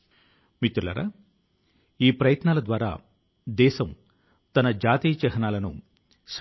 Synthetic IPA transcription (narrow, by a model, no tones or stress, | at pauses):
mit̪ːulɐ̰ɾa̰ | iːpɾɐjɐt̪naːlɐd̪ʋaːɾa̰ː | d̪ɛːsɐm | t̪ɐnɐd͡ʒaːt̪iːt͡ʃɛɦɐnaːlɐnṵ | s